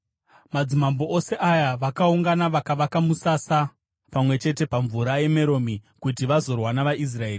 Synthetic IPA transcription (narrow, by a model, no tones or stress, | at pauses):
mad͡zimambo̞ose̞ʔajaʋakauŋɡanaʋakaʋakamusasa | pamwe̞t͡ʃe̞te̞paɱvuɾaje̞me̞ɾo̞mikut̬iʋazo̞rwanaʋaʔis̬raeːr